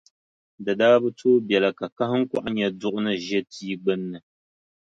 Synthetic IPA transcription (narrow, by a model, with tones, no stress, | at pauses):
dɨ˨daː˦bɨ˦tʰoː˦bjɛ˨lɨ˨ka˨ka˦hɨ˦ŋ̩˦ka˦ʔa˦ɲɛ˨dʊ˦ʔʊ˦nɨ˦ʒɛ˦tʰiː˦ɡ͡bɨ˦nːɨ˨